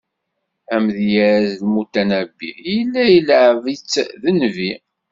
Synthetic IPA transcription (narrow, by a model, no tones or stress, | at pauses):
æmðjæɾæzlmut̪ːænæbːijəlːæjəlʕvit͡sːðənvi